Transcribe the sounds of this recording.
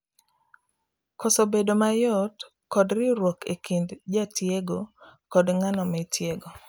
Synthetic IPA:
kɔsobedomajɔt | kɔdɾɪɾwokekindd͡ʒatjeɡokɔdŋanɔmɛtjeɡo

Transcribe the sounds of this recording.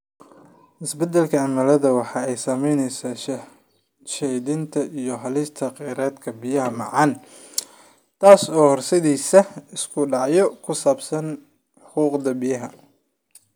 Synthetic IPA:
ʔɪsbɛd̪ɛlkʰɐʕɑmɐlɐðɐwɑħɑːɛjsɐmɛjnɛjsa | ʃɛjðɪnt̪ʰɐʔijɞɦɐlɪst̪ʰɐqɛːɾɛːd̪kʰɐbɪjɐɦɐmɑ̰ʕɑn | t̪ʰaːsɔːhɔrsɐðiːsɐɪskʰʊɖɑʕjɔkʰʊsaːbsɐn | ħʊquːqd̪ɐbijɐɦɐ

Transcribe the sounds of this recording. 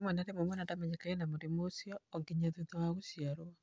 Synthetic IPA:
mwɛnaɾemwɛmwɛnatamɛɲakaenamoɾemosjɔːŋɡiɲaðetawaɣosiaɾwa

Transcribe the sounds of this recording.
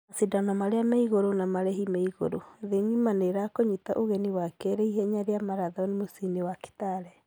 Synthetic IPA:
asidanɔmaɾeamaiɣoɾonamaɾɛɦimaiɣo̰ɾoðeŋimaneɾakoɲita̰ʔoɣɛniwakɛɾɛiɦɛɲaɾeamaɾaðɔnemosinewaki̥taɾɛ

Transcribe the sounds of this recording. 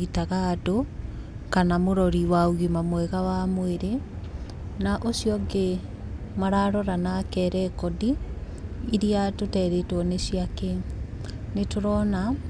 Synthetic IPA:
itaɣado | kanamoɾɔɾiwaoɣimamwɛɣawamweɾe | naʔosiɔɡe | maɾaɾɔɾanakɛɾɛkɔdiː | ɾiatotɛɾetwɔnesiake | netoɾɔna

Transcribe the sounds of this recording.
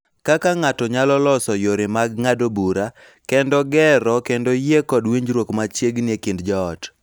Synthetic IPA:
kakaŋatɔɲalɔlɔsɔjoɾɪmaɡŋadobuɾa | kɛndɔɡɛɾɔkendojekɔdwiɲd͡ʒɾwokmat͡ʃjeɡnɪekɪndd͡ʒɔːt

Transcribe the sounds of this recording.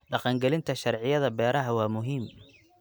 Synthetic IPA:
ɖɑqɑŋɡɛlɪnt̪ʰɐʃɐrʕɪjɐðɐbɛːɾɐɦɐwɑːmʊɦiːm

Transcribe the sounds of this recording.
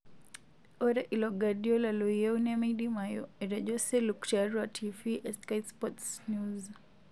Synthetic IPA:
ɔɾaʔilɔɡaɗiɔlaluiɛunɛmidimajɔɛɾad͡ʒɔsɛlukt͡ʃaɾwatʰiviʔɛskajspɔtsnuz

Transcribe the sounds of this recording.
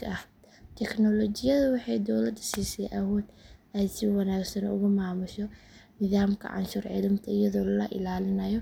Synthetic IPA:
ʔɐh | t̪ʰɛknɔlɔt͡ʃɪjɐðʊwɑħɑjd̪ɔwlɐd̪siːsɛjʔɐwɔːd̪ɛːsɪwɑnaːɡsɐnɔ̰ʊɣʊmaːmʊʃɔ | nɪðaːmkʰɐ̰ʕɑ̰nʃuːrʕḭlɪmt̪ʰɐɪjɐðɔːllɐʔɪ̰laːlɪnɐjɔ

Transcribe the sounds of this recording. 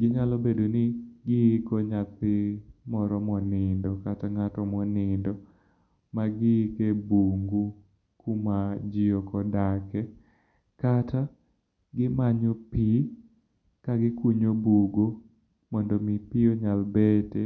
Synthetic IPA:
ɡɪɲalɔbedonɪɡɪkɔɲat̪ɪmɔɾɔmɔnɪndɔkataŋatɔmɔnɪndɔ | maɡɪkebuŋɡu | kumad͡ʒɪɔkɔdakɛ | kata | ɡɪmaɲopi | kaɡɪkuɲobuɡo | mɔndɔmipioɲalbete

